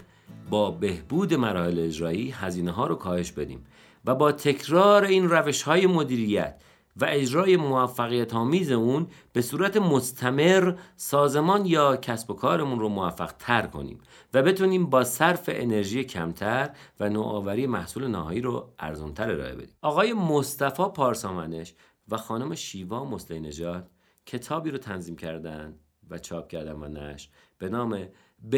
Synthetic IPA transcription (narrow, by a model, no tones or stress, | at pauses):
bɒːbe̞hb̥uːd̪e̞mæɾɒːhe̞leed͡ʒɾɒːjiːɦæziːneɦɒːɾokʰɒːhe̞ʃbe̞d̪ḭːm | væbɒːt̪ʰe̞cʰɾɒːɾeiːnræve̞ʃhɒːjemo̞d̪iːɾijæ̰t̪ʰ | væʔe̞d͡ʒɾɒːje̞moæfːæɣijæt̪ʰɒːmiːze̞uːnb̥e̞suːɾæt̪ʰe̞most̪ʰæme̞ɾsɒːze̞mɒːnjɒːcʰæsbo̞kʰɒːɾemunromoæfːæ̰ɣ̥t̪ʰæɾkʰo̞̰nḭːm | væbe̞t̪ʰuːniːmbɒːsæɾfe̞̰ʔene̞ɾʒiːjecʰæmt̪ʰæɾvænoːʔɒːvæɾiːjemæhsuːle̞næhɒːjiːɾoæ̰ɾzunt̪ʰæɾe̞ɾɒ̰ːʔe̞be̞d̪iːmʔɒːɣɒːje̞most̪æfɒːpʰɒːɾsɒːmæneʃ | væxɒːnome̞ʃiːvɒːmo̞slejne̞d͡ʒɒːd̪̥̚ | cʰe̞t̪ʰɒːbiːɾot̪ʰænziːmcʰæɾd̪ænd̪ | væt͡ʃʰɒːp̚cʰæɾd̪ænvæ̰næ̰ʃb̥e̞nɒːme | b